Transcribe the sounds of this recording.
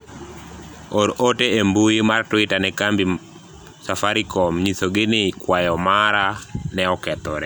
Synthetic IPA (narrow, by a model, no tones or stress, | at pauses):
oɾoteembuimartwɪtanɛkambi | safaɾikɔmɲisoɡɪnɪkwajɔmaɾanɛɔkɛt̪ɔɾɛ